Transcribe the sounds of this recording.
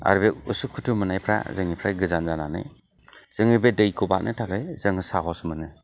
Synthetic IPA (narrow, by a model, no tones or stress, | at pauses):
a̰ɾbeusukʰutʰumɯnajpʰɾa̰zɯŋipʰɾajɡɯzanzananɯ̰j | z̥ɯŋɯbedɯjkʰɔba̰k̚nʔɯ̰tʰakʰɯjz̥ɯŋɯsaɦɔsmɯnɯ